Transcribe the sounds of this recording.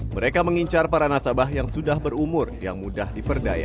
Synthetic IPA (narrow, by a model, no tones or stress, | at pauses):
məɾekaməŋiɲt͡ʃarpaɾanasabahjaŋsudahbərumʊrja̰ŋmudahdipərda̰ja̰